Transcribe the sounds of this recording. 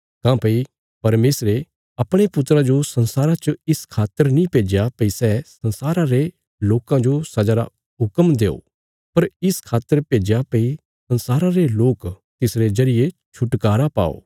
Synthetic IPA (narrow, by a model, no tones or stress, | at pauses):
kãːpɐi | pɐɾmeːsɾe | ɐpɽ̃epʊt̪ːɾad͡ʒosɐ̃nsaːɾat͡ʃəɪskʰaːt̪ːəɾnĩpeːd͡ʒjapɐisɛsɐ̃nsaːɾãɾe | loːkãd͡ʒosɐd͡ʒaɾa̰ | ɦʊkəmd̪eːo̰ː | pɐɾɪskʰaːt̪ːəɾpeːd͡ʒjapɐi | sɐ̃nsaːɾãɾeloːk | t̪ɪsɾezɐɾɪjet͡ʃʰʊʈkaːɾapa̰ːo̰ː